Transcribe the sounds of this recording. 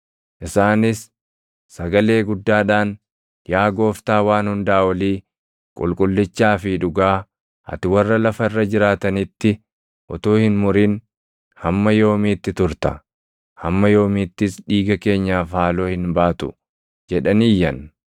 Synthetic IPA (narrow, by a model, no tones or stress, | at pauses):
ʔɪsaːnɪsː | ɐɡɐle̞ːɡʊd̪ːaːᶑaːn | jaːɡo̞ːft̪aːwaːnhʊnd̪aʔːwɐliː | kʼʊ̰lkʼʊlːɪt͡ʃːaːfɪᶑʊɡaː | ɐ̰t̪ɪwɐrːɐlɐfɐɪrːɐd͡ʒɪɾaːt̪ɐnɪt̪ːɪ | ʔɔ̰t̪oːhɪnmʊɾɪn | hɐmːɐjo̞ːmiːt̪ːɪt̪ʊɾt̪ɐ | hɐmːɐjo̞ːmiːt̪ːɪsᶑiːɡɐke̞ːɲːaːfhaːlo̞ːhɪnbaːt̪ʊ̰ | d͡ʒɛᶑɐniːjːɐn